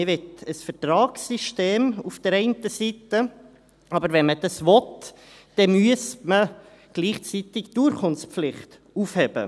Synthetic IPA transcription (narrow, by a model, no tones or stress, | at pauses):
ɪʋɪtəsfətɾɑːksiʃteːmufd̥əɾɛɪntəsitə | ʔɑbəɾvɛnməd̥ɑsʋɔt | d̥ɛmyəsmə | ɡ̥liːχt͡sit̪ɪkd̥uɾχʰʊnspflɪχt̪ | ufhɛb̥ə̰